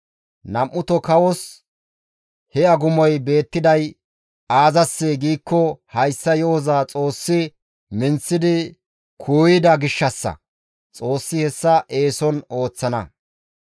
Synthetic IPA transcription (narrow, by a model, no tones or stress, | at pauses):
nɐmːʊt̪ɔkɐwɔs | hɛɐɡʊmɔjbe̞ːt̪ːɪd̪ɐj | aːzɐsːeːɡiːkːɔhɐjsːɐjo̞ːzaːt͡sʼo̞ːsːɪ | mɪnt͡sːɪd̪ɪ | kʰuːjɪd̪ɐɡɪʃːɐsːɐ̰ | t͡sʼo̞ːsːɪhɛsːɐʔe̞ːsɔno̞ːt͡sːɐnɐ̰